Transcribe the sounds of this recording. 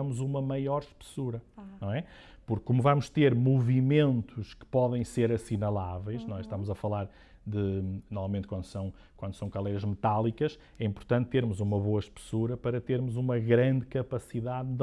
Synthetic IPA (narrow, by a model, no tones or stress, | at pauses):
muzumɐmɐjɔɾʃpɨ̥suɾɐnɐ̃w̃ɛ | puɾkːumuvamuʃt̪eɾmuvimẽnt̪ʰuʃkɨ̥pɔðɐ̃j̃seɾɐsinɐlˠavɛjʃnɔ̃ɛʃt̪amuzɐfɐlˠaɾ | d̪ɨnɔvamẽn̚kwɐ̃nd̪sɐ̃w̃ | kwɐ̃nd̪usɐ̃w̃kɐlˠɛjɾɐʒmɨt̪alˠikɐʃ | ɛĩmpʊɾt̪ɐ̃nt̪̚ːeɾmuzumɐβoɐʃpɨ̥suɾɐpɐɾɐt̪eɾmuzumɐɣɾɐ̃nd̪kɐpɐsiðaðð